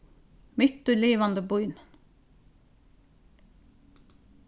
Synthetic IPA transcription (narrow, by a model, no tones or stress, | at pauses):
mʏt̪ʉleːʋɑnd̪əbʊʏn